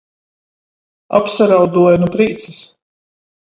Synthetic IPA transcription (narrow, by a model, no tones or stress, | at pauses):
a̰psaɾawd̪uɔjanupɾiːt̪sis